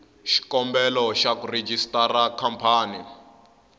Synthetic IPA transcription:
ʃi̥kɔmbɛlɔʃakured͡ʒistarakʰampʰaːni

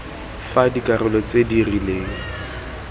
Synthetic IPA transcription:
fadikʼarʊlɔt͡sʼedirileːŋ̩

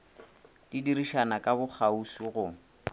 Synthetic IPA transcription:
d̥idiriʃanakʼabʊk͡xʰausiɣʊ

